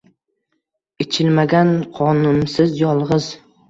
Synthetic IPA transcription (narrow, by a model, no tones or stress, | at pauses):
et͡ʃʰɪlmaɡʲanqʰɒnʊnsɪzjɒlˠʁɨz